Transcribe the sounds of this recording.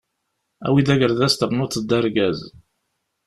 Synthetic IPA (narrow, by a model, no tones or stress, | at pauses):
æ̰wiðæʝəɾðæst̪əʁnʊt̪d̪ːəɾɡæz